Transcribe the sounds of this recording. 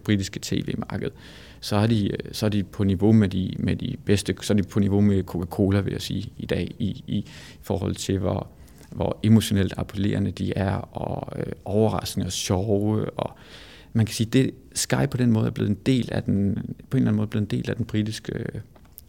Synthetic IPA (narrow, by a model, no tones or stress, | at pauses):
b̥ʁid̥isɡ̥ə̥t͡sʰe̝̰ːʋe̝̰ːmɑ̈ːɡ̥əð̞̩ˠ | sɒ̽æɐd̥isɒæɐd̥ipʰɒ̽niʋo̝med̥imed̥ib̥esd̥əsɒæd̥ipʰɒ̽niʋo̝mekʰo̝kʰækʰo̝ːlɐʋe̝jasiːid̥ɛ̰ːii | fɒ̰ːɦɒ̽l̰t͡sʰe̝ʋɒ | ʋɒe̝mo̝ɕo̝nel̰d̥ɑ̈pʰole̝̰ːɐnəd̥iæɐɒ̽øʔɒʊɐʁɑ̈sɡ̥nəɒ̽ɕɒʊəɒ̽ | mænkʰæ̥siːd̥e̝ | sɡ̥ɑ̈ɪ̥pʰɒ̽d̥enmɔ̽ːð̞̩ˠɐble̝ð̩ˠend̥e̝̰ːlæd̥enpʰɒ̽e̝nlæn̩mɔːðˠb̥le̝ð̩ˠende̝̰ːlæd̥enb̥ʁid̥isɡ̥ə